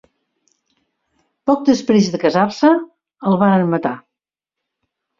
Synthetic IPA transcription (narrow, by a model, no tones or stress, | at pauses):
pɔk̚d̪əspɾezðəkəzarsə | əlˠβaɾənmət̪a